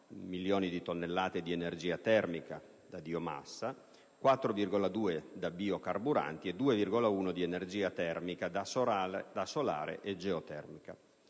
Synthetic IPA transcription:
miljoːnid̪it̪onːelːaːt̪ed̪ienerd͡ʒiːat̪ɛrmika | d̪ad̪ioma̰sːa | kwat̪ːɾovirɡolad̪uːed̪abiːokarbuɾa̰nt̪ied̪uːevirɡolauːnod̪ienerd͡ʒiːat̪ɛrmikad̪ad̪asola̰ːɾḛʔed͡ʒeot̪ɛ̰rmika

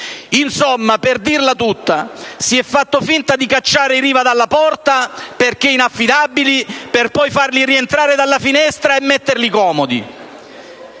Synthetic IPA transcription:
insomːaperd̪irlat̪ut̪ːasiɛfːat̪ːofint̪ad̪ikat͡ʃːaːɾeɾiːvad̪alːapɔrt̪aperk̟einafːid̪abːiliperpɔjfarlirient̪ɾaːɾed̪alːafinɛst̪ɾaemːɛt̪ːerlikɔːmod̪ḭ

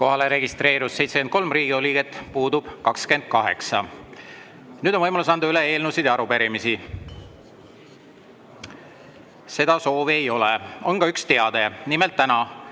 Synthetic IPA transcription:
ko̞ɦɑleɾe̞ɡist̪re̞ːɾussejt̪seken̚ko̞lmriːɡ̥ioliːɡe̞t̪ːˑpuːd̪ub̥kɑkske̞nd̪̥̚kɑɦe̞̰ksɑ | nyːd̪onvɤjmɑlusɑnd̪uyle̞e̞ːlnusid̪eɑɾupeɾimisi | se̞d̪̥ɑso̞ːvie̞jo̞leo̞nɡɑykst̪eɑd̪̥e̞nimelt̪ːænɑ

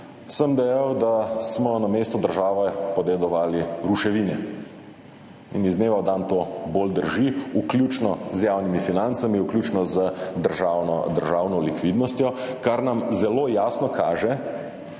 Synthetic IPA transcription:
səmd̪ɛjawd̪asmɔnameːst̪ɔd̪əɾʒaːʋɛpɔd̪ɛd̪ɔʋaːliɾuʃɛʋinɛ | ḭnizneːʋawd̪ant̪oːbold̪əɾʒiukljut͡ʃnɔzjaːwnimifinant̪samiuklʲjuːt͡ʃnɔzəd̪əɾʒawnɔd̪əɾʒaːwnɔlikʋid̪nɔst̪jɔkaɾnamzɛlojaːsnɔkaːʒɛ

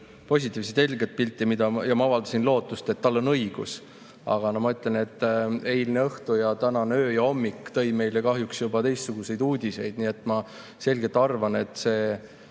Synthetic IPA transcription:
po̞s̬ʲit̪ːˑiːvset̪se̞lɡet̪̚pilʲt̪ːˑimid̪ɑjɑmɑɑvɑld̪ɑsinlo̞ːt̪ːˑust̪e̞t̪ːɑlːo̞nɤ̞iɡ̥ṵs | ɑ̰ɡ̥ɑnɑmɑyt̪ːˑlene̞t̪ːˑe̞jlneɤht̪ujɑt̪ænɑnø̞ːjɑo̞mːikːˑt̪ɤ̞jme̞jlekɑɦjuksjubɑt̪e̞jst̪suɡ̥use̞jd̪uːd̪̥ʲise̞jd̪̥niet̪ːˑmɑ | se̞lʲɡet̪ːˑɑrvɑne̞t̪ːˑse̞ː

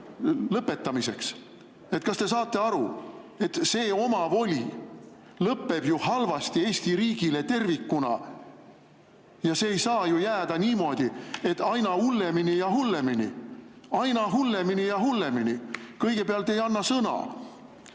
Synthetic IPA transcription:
lɤpːˑe̞t̪ːˑɑmise̞ks | et̪̚ːˑkɑst̪e̞sɑːt̪ːˑe̞ɑɾue̞t̪se̞ːo̞mɑvo̞lʲḭ | lɤpːe̞b̥juhɑlvɑst̪ie̞ːst̪iɾiːɡ̥ile̞t̪e̞rvikːunɑ̰ | jɑse̞ːjsɑːjujæːd̪̥ɑniːmo̞ːd̪̥ie̞t̪ːˑɑjnɑhulːe̞minijɑɦulːe̞minḭɑjnɑɦulːe̞minijɑɦulːe̞minikɤjɡ̥e̞peɑlt̪ːˑe̞jɑnːɑsɤnɑ̰

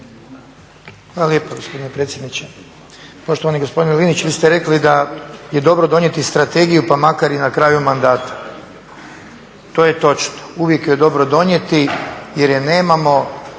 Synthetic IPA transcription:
xʋaːlaljeːpoɡospod̪inepɾe̞t̪sʲjed̪nit͡ɕe | po̞ʃt̪oʋaniɡo̞spo̞d̪inlinit͡ʃʋiːst̪eɾe̞klid̪aje̞d̪o̞bɾod̪o̞ɲje̞t̪ist̪ɾat̪e̞ɡijupamakaɾinakɾaːjumand̪aːt̪ḁ | t̪o̞ːjet̪o̞t͡ʃnouʋjekjoed̪o̞bɾod̪o̞ɲje̞t̪ijeɾjene̞ːmamo̞

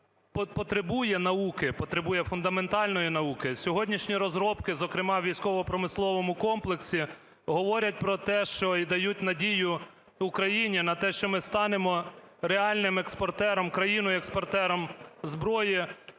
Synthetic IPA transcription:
ppɔt̪ɾebujɛnɐukɪpɔt̪ɾebujɛfʊnd̪ɐment̪ɑlʲnɔjinɐukɪsʲɔɦɔdʲnʲiʃnʲiɾɔzɾɔpkɪzɔkɾɪmɑʋʲijsʲkɔʋɔpɾɔmɪslˠɔʋɔmʊkɔmplˠeksʲi | ɦɔʋɔɾʲɐt̚ʲpɾɔt̪ɛʃt͡ʃɔid̪ɐjut̚ʲnɐdʲijʊ | ʊkɾɐjinʲinɐt̪ɛʃt͡ʃɔmɪst̪ɑnemɔ | ɾeɑlʲnɪmekspɔrt̪ɛɾɔmkɾɐjinʊjekspɔrt̪ɛɾɔmzbɾɔji

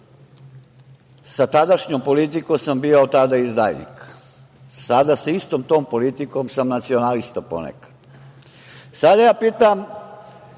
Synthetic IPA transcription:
sat̪ad̪aʃɲompo̞lit̪ikosambioot̪ad̪aizd̪ajnḭk | sad̪asist̪o̞mt̪o̞ːmpo̞lit̪iko̞msamnat̪sionalist̪apo̰nḛkḁd̪̥ | sad̪ajaːpiːt̪am

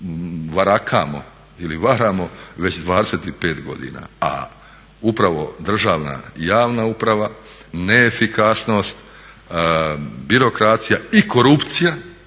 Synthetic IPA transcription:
ʋaɾakʰa̰mo̞̰ | iliʋaɾaːmo̞ʋe̞t͡ɕd̪ʋaːd̪eset̪ipe̞ːt̪ɡo̞̰d̪ḭːna̰a̰ | upɾaʋo̞̰d̪r̩ʒaːʋna̰jaːʋnaupɾaʋa | neefikasno̞ːst̪ | biɾo̞kɾat̪sijaiko̞ɾupt̪sija

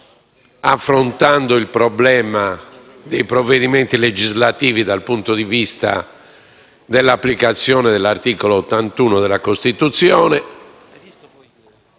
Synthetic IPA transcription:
afːɾont̪and̪oilpɾɔblɛːma | d̪ejpɾovːeðiment̪iled͡ʒizlat̪iːvid̪alpunt̪od̪ivist̪a̰ | d̪ɛlːapːlikat̪sːjɔːnɛðɛlːart̪iːkoloːt̪ːant̪uːnoðɛlːakost̪it̪ut̪sjɔːnɛ

